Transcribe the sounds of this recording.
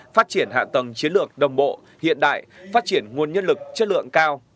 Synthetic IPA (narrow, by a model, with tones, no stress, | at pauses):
faː˦˥t̚t͡ɕi˧˩ənɦa̰ː˧˨t̪ə˨˩ŋt͡ɕi˨˦nlɨ˨˩ək̚ɗə˨˩wŋ͡mɓo̰˧˨ | hḭ˧˨ənɗa̰ː˧˨jfaː˦˥t̚t͡ɕi˧˩ənŋu˨˩ənɲə˧nlɨ˨˩k̚t͡ɕə˦˥t̚lɨ̰˧˨əŋkaː˧w